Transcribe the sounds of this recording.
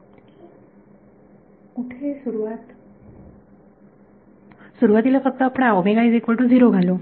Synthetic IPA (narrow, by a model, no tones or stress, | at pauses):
uʈʰesuɾuat̪ | suɾuat̪ilapʰɔkt̪ɔapɽ̃aomeɡajzekbɔʈuziɾoɡʱalu